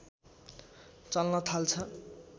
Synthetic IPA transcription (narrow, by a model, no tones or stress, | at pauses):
t͡sʌlnʌt̪ʰalt͡sʰʌ